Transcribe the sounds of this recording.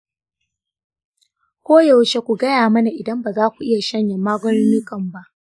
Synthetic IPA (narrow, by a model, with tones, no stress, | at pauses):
kʷoː˦ja˨wt͡ʃe˦kʷu˨ɡɐ˦jaː˨mɐ˦na˨ʔɪ˨dɐ˦mbaː˨zaː˦kʷu˨ʔɪ˦ja˨ʃɐ˦ɲjɐ˨mːaː˦ɡʷɔ˦nɪ˦mi˦kɐ˨mba˦ʔ